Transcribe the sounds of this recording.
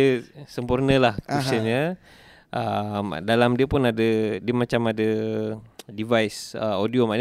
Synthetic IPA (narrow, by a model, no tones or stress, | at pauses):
əsəmpurnəlahkusəɲə | ʔəmdalamdiəpunadədiəmat͡ʃamadə | divajsəodiomaɲ